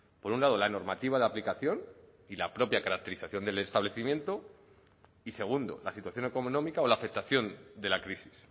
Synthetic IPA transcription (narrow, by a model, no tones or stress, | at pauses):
po̞ɾunlað̞o̞lano̞ɾmat̪iβ̞aðeaplikaθjo̞n | ilapɾo̞pjakaɾak̚t̪e̞ɾiθaθjo̞nd̪e̞le̞st̪aβle̞θimje̞nt̪o̞ | ise̞ɣ̞und̪o̞̰lasit̪waθjo̞neko̞monomikao̞laːfek̚t̪aθjo̞nd̪e̞lakɾisi̥s